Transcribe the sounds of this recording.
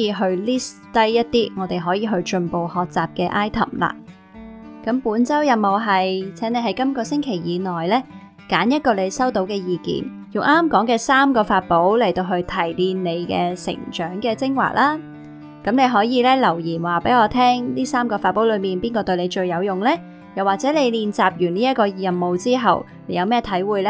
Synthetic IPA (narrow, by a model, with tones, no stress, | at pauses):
iː˧ɦɵ˧ɥliː˥st̪ɐ˥jjɐ˥t̚t̪iː˥ŋɔː˨˧t̪e˨jɦɔː˨˥jiː˨˧ɦɵ˧ɥt͡ʃɵ˧npo˨˧whɔː˨k̚t͡saː˨p̚kɛː˧ʔaː˥jt̪ʰɐ̰˨˩mla̰ː˧ | kɐ˨˥mpuː˨˥nt͡sɐ˥wjɐ˨mo˨˧wɦɐ˨jt͡sʰɛː˨˥ŋne˨˧jɦɐ˨˥jkɐ˥mkɔː˧sɪ˥ŋkʰe˨˩jːiː˨˧nɔː˨jlɛː˥ | kaː˨˥njɐ˥t̚kɔː˧le˨˧jsɐ˥wt̪o˨˥wkɛː˧jiː˨˧kḭː˨˩n | jʊ˨˩ŋʔaː˥mkɔː˨˥ŋkɛː˧saː˥mkɔː˧faː˧t̚po˨˥wlɐ˨˩jt̪o˧wɦɵ˧ɥt̪ʰɐ˨˩jliː˧nːe˨˧jkɛ̰ː˧sɪ̰˨˩ŋt͡ʃœː˨˥ŋkɛː˧t͡sɪ˥ŋwa̰ː˨˩k̚lʔaː˥ | kɐ˨˥mne˧jɦɔː˨˥jiː˨˧lɛː˥lɐ˨˩wjiː˨˩nwaː˨˩pe˨˥ŋɔː˨˧t̪ʰɛː˥ŋniː˥saː˥mkɔː˧faː˧t̚pːo˨˥wlɵ˨˧ɥmiː˨˩npiː˥nkɔː˧t̪ɵ˧ɥle˨˧t͡ʃɵ˧ɥjɐ˨˧wjʊ˨ŋlɛː˥ | jɐ˨˩waː˨k̚t͡sɛ˨˥ne˨˧jliː˧nt͡saː˨p̚jyː˨˩niː˥jɐ˥t̚kɔː˧jɐ˨˩mmo˨˧wt͡siː˥ɦɐ˨w | ne˨˧jɐ˨˧wmɛː˥t̪ʰɐ˨˥jwuː˨˧jlɛ˥